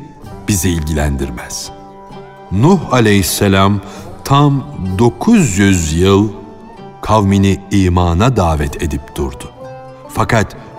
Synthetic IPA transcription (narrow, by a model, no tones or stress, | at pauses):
b̥iziːlʲɟilʲænd̪ḭɾmæz̥ | nuhalʲejisːelʲamt̪ʰamd̪o̞kʰuzjyzjɯlˠ | kʰavminiiːmaːnad̪aːvɛt̪ʰe̞d̪ip̚d̪̥uɾd̪ʊ | fakʰat̪